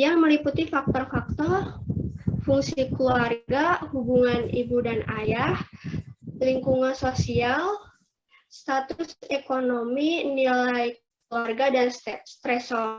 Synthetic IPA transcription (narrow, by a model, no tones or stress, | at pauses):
jaŋməliput̪ifak̚t̪ɔrfak̚t̪ɔr | fuŋsikluarɡahubuŋanḭbudanajah | liŋkuŋansosial | st̪at̪ʊsekonominilajk | luarɡadansɛst̪ɾɛsɔ